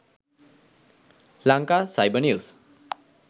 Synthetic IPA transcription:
laŋkasajbənius

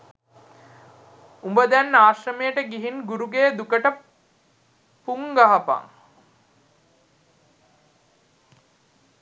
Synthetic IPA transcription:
umbəd̪ænːaːʃrəmejəʈəɡiɦinɡuɾuɡejd̪ukəʈə | puŋɡaɦɐpa̰ŋ

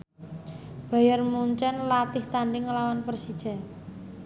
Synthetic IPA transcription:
b̥a̤jərmuɲt͡ʃɛnlat̪ɪht̪aɳɖɪŋːəlawanpərsid̥ʒ̥a̤

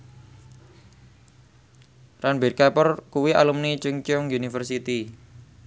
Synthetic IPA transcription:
ranbe̤rkapɔrkuwiʔalumnit͡ʃuŋt͡ʃʊŋjunifərsit̪i

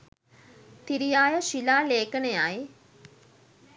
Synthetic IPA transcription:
t̪iɾijaːjəʃilaːleːkənejaj

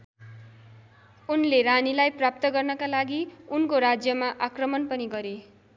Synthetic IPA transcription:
unleɾanilajprap̚t̪ʌɡʌrnʌkalaɡiunkoɾad͡zjʌmaʔakrʌmʌnpʌniɡʌɾe

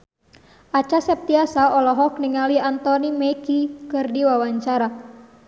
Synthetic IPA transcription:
ʔat͡ʃasɛp̚t̪iasaɔlɔɦɔkniŋaliant̪ɔnimɛkikɨrdiwawaɲt͡ʃaɾa

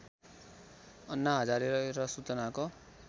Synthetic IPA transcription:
ʌnːaɦʌd͡zaɾeɾʌɾʌsut͡sʌnako

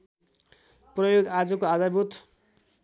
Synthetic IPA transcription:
prʌjoɡad͡zʌkoad̪arbʱut̪

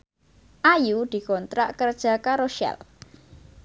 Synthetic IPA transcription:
ʔajud̪̥i̤kɔnt̪ɾaʔkərd̥ʒ̥a̤kaɾoʃɛ̰l

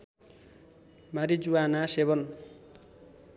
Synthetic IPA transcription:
maɾid͡zuanaseβʌn

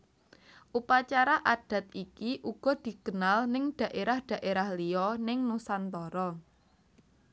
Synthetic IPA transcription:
ʔupat͡ʃaɾaʔaɖ̥ä̤t̪̚ikiʔuɡ̥ɔ̤d̪̥i̤kənalnɪŋɖ̥ä̤ʔeɾahɖ̥ä̤ʔeɾahliɔnɪŋnusant̪ɔɾɔ

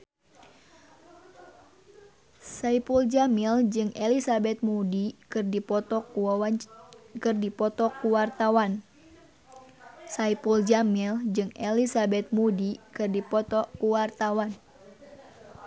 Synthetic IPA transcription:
saipuld͡ʒamild͡ʒɨŋɛlisabɛt̪̚mudikɨrdipɔt̪ɔku | kɨrdipɔt̪ɔkuwart̪awan | saipuld͡ʒamild͡ʒɨŋelisabɛt̪̚mudikɨrdipɔt̪ɔkuwart̪awan

